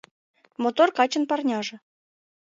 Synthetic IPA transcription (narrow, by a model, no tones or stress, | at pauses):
mot̪orkɑt͡ɕɤ̆npɑrnʲɑʐɤ̆